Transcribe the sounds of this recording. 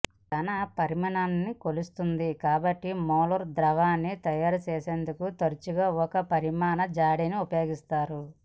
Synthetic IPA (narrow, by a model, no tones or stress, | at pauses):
k̪ɐnɐpɐɾimɐnaːnːikolust̪und̪ikaːbɐʈːimɔːlɐɾd̪ɾɐʋaːnːit̪ɐjaːɾut͡ʃɛːseːnd̪ukut̪ɐɾit͡ʃuɡaːɔkɐpɐɾimaːnɐd͡ʒaːɽiniupɐjo̞ːɡist̪aːɾu